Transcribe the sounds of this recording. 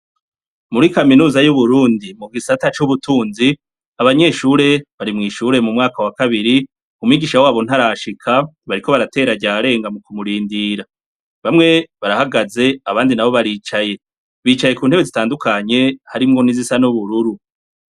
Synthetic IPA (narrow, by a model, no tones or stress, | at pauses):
muɾikaminuːzajuβuɾuːndimuɡisatat͡ʃuβutuːnzi | aβaɲe̞ːʃuːɾe̞βaɾimŋiːʃuːɾe̞mumŋaːkawakaβiɾi | umwiːɡiʃawaːβon̥haɾaʃikʰa | βaɾiko̞βaɾate̞ɾaɟaːɾe̞ːŋɡamukumuɾiːndiɾa | βamŋe̞βaɾahaɡaze̞aβaːndinaβo̞βaɾiːt͡ʃaje̞ | βiːt͡ʃaje̞kuːnhe̞βezitaːndukʰaɲe̞haɾimŋo̞nizisanuβuɾuɾu